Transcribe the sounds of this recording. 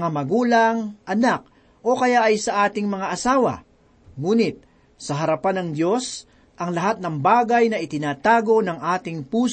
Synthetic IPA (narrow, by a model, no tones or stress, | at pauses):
ŋamɐɡuːlɐŋʔɐnak̚ | ʔo̞kɐjaʔɐjsɐʔaːt̪ɪŋmɐŋaʔɐsaːwɐ̰ | ŋuːnɪt̪̚ | sɐɦɐɾɐpanɐŋd̪jo̞s | ʔɐŋlɐɦat̪̚nɐŋbaːɡɐjnɐʔɪt̪ɪnaːt̪aːɡo̞nɐŋʔaːt̪ɪŋpuːs